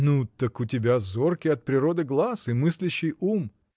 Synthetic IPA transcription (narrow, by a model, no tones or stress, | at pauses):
nut̪əkʊtʲɪbʲazorkʲɪɐt̪̚pɾʲɪɾo̞d̪ɨɡlˠasɨmɨsʲlʲɪɕːɪjum